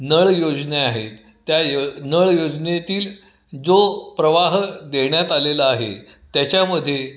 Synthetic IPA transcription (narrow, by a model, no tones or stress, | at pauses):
nəɭjod͡zneaɦet̪ | t̪ːjanəɭjod͡znet̪iːl | d͡zopɾəʋaɦd̪eɳjat̪aleləaɦḛt̪jat͡ɕaməd̪ʱːje